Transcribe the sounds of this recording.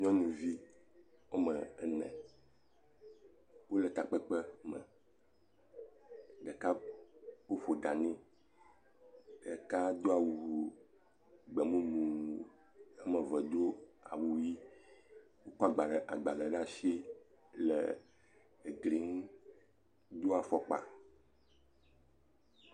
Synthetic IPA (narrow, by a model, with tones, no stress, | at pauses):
ɲɔ̃˦nũ˨vi˦ | wo˦mə̃˨˦nɛ̰̃˨ | wo˦lɛ˨t̪a˨k͡pə˦k͡pə˦mɛ̰̃˨ | ɖə˨ka˦ | wo˦fo˨d̪a˨nĩ˦ | ɖə˨ka˦d̪o˦a˨wu˨ɦu˨ | ɡ͡bɛ˨mũ˦mũ˨ | ɛ˦mə˨və˨d̪o˦a̰˨wu˨˦ji˦ | wo˦kɔ˦a˨ɡ͡ba˨ɖɛ˨ʔa˨ɡ͡ba˨lɛ˨ɖa˦ʃi˦ | lɛ̰˨ | ɡli˨˦ŋ˦ | d̪o˦a˨fɔ˨k͡pa̰˨